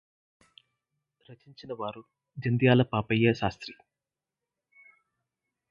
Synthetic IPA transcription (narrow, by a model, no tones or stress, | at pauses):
ɾɐt͡ʃiɲt͡ʃinɐʋaːɾu | d͡ʒɐnd̪jaːlɐpaːpɐjːɐʃaːst̪ɾi